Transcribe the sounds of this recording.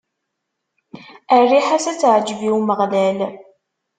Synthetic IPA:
ərːiħasæt͡sːʕd͡ʒviwməʁlæl

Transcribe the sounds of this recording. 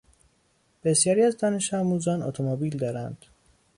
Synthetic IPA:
b̥e̞sjɒːɾiːæzd̪ɒne̞ʃæmuːzɒːno̰t̪ʰomobiːld̪ɒːɾænd̪̥

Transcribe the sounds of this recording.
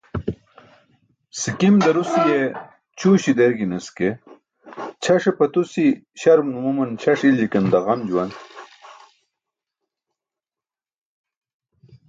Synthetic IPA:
sikimd̪ɐɾusje | t͡ɕʰuːɕid̪eɾɡinɐske | t͡ɕʰɐʂepɐt̪usiɕɐɾmnumumɐnt͡ɕʰɐʂild͡ʑikɐnd̪ɐʁɐmd͡ʑuwan

